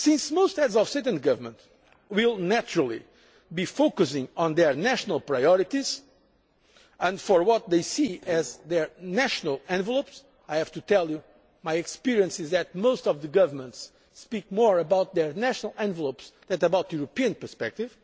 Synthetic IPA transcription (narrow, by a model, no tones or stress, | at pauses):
sĩnsmost̪ɛdzɔv̥sɛtə̃nd̚ɡʌvə˞mə̃nt̪ | wilˠnæt͡ʃuɹəlˠḭ | bifokɨsɪ̃ŋɔ̃nd̪ɛ˞næʃənəlˠpɹajɔɹit̪iz | ə̃ndfɔɹwɔt̪̚ðeɪsiɛzðɛɹnæʃənəlˠɛ̃nvəlˠops | ajhæv̥t̪ut̪ɛlˠju | majɛkspiɾiə̃nsɪzðɨt̪̚most̪ɔvðɨɡʌvəmə̃ntsː | pik̚mɔɹəbaʊt̪̚ðɛɹnæʃnəlˠɛ̃nvəlˠopsðɛtəbawt̪juɾopiɨ̃npə˞spɛk̚t̪iv̥